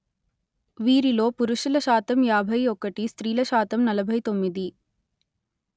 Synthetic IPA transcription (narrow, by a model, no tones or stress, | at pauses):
ʋiːɾilo̞ːpuɾuʂulɐʃaːt̪ɐmjaːbʱɐjɔkɐʈist̪ɾiːlɐʃaːt̪ɐmnɐlɐbʱɐjt̪omːid̪i